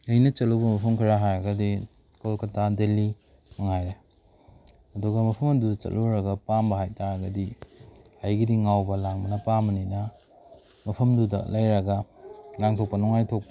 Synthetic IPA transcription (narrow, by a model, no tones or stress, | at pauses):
ɐjnɐt͡ʃɐluwbɐmɐpʰɐmkʰiɾaɦajɾɐɡɐdi | kolkɐtʰadelːi | mɐŋajɾe | hɐduɡɐmɐpʰɐmɐdudɐt͡ʃɐ̰lʔoɾɐɡɐpambɐɦajtʰaɾɐɡɐdi | ajɡidiŋawbɐlaŋmɐnɐpamɐninɐ | mɐpʰɐmdudɐ̰lɐjɾɐɡɐlaŋtʰok̚pɐnɔŋajtʰok̚pɐ